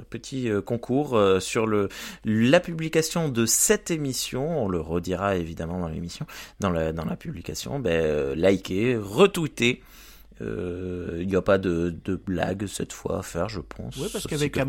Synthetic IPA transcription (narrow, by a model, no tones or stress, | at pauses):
pət̪ʰiøkɔ̃kʰuːʁøsyʁləlapyblikasjɔ̃d̪əsɛt̪emisjɔ̃ɔ̃ləʁəd̪iʁaevid̪amɑ̃d̪ɑ̃lḛmisjɔ̃d̪ɑ̃lad̪ɑ̃lapyblikasjɔ̰̃bɛølajkʲeʁət̪wit̪e | ø̰iljapad̪əd̪əbla̰ɡsɛt̪fwa̰fɛʁʒəpʰɑ̰̃swiavɛk